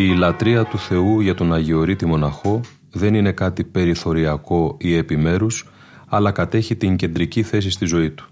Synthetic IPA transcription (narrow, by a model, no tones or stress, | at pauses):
iːlɐt̪ɾiɐt̪uθe̞uʝɐt̪o̞nɐʝeo̞ɾit̪imo̞nɐxo̞ | ðe̞nine̞kɐt̪ipe̞ɾiθo̞ɾiɐko̞ie̞pime̞ɾus | ɐlɐkɐt̪e̞çit̪iɲɟe̞nd̪ɾiciθe̞s̬ist̪izo̞it̪u̥